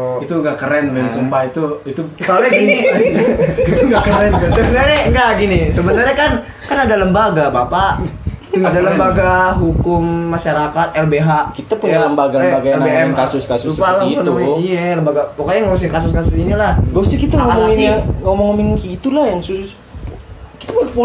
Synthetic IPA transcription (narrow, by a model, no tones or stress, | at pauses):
it̪uŋɡakəɾɛnmɛmsəmpahit̪uit̪usalɲaɡini | it̪uŋɡakəɾɛnkansəbənarɲaŋɡaɡinisəbənarɲakan | kanadaləmbaɡabapaʔadaləmbaɡaɦukʊmːaʃaɾakat̪̚ɛlbeɦakit̪apʊjnaləmbaɡabaɡaɛlnabeɛmkasʊskasʊsupalapənuiijɛləmbaɡawokaɲaŋousɪŋkas̬ʊskasʊsinilahɡost̪ikit̪aŋomɔinŋomɔŋominkiit̪ulahjaŋsusʊs | kit̪apupo